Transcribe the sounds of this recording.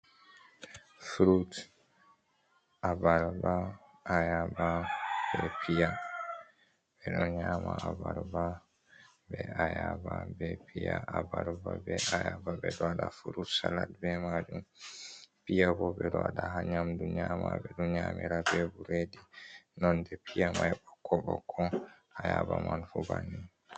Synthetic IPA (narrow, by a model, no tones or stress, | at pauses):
fuɾut | ʔabaɾba | ʔajababɛpija | bɛɗɔnɲamaabaɾba | bɛajababɛpʰijaʔabaɾbabɛajababɛɗɔaɗafuɾusalatbɛmad͡ʒum | pijabɔbɛdɔaɗaɦaɲamduɲaːmabɛɗɔɲamiɾabɛbuɾedinɔndɛpʰijamajbɔkʰːɔɓɔkʰːɔ | ajabamanfubani